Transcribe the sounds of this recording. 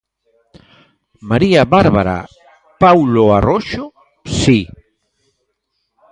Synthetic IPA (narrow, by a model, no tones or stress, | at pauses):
maɾiaβaɾβaɾa̰ | pawloaroʃo | si